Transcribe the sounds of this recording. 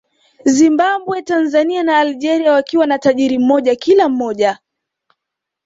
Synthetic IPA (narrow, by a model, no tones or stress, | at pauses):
zimbaɓwɛtanzanianaːlʄɛɾiawakiwanataʄiɾim̩mɔʄakilam̩mɔʄa